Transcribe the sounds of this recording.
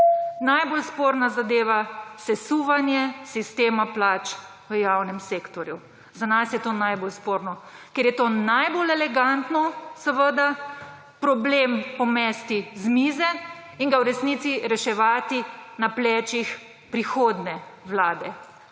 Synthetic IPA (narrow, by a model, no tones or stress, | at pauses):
najbolspoːɾnazad̪eːʋasɛsuːʋanjɛsist̪eːmaplaːt͡ʃ | ʋəjawnɛmseːkt̪ɔɾju | zanasjɛt̪oːnajbolspoːɾnɔkɛɾjɛt̪onajbolɛlɛɡant̪nɔsəʋəd̪a | pɾɔbleːmpɔmɛst̪izmiːzɛ | iŋɡawɾɛsnit̪siɾɛʃɛʋaːt̪inaplɛːt͡ʃix | pɾixoːd̪nɛwlaːd̪ɛ